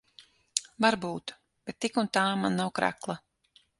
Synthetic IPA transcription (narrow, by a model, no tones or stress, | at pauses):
vaɾbuːt̪ | b̥ɛt̪ːikunt̪aːmanːawkɾa̰klˠa